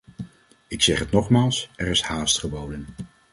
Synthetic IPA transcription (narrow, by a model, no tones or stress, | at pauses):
ɪksɛχɦətnɔχmaːlˠsɛɹɪshaːstχəbowdən